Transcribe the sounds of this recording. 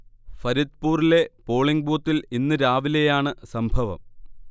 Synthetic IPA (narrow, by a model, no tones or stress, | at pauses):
fɐɾit̪̚puːrile̞po̞ːɭiŋɡbuːt̪ːilinːɨɾaːʋile̞jaːɳɨsɐmbʱɐʋɐ̰m